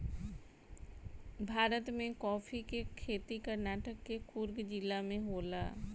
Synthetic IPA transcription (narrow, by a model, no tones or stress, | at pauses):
bʱaːɾət̪mẽkɔːfʰikekʰeːt̪ikəɾnaːʈəkːekʊɾɡd͡ʒɪlːamẽɦoːlaː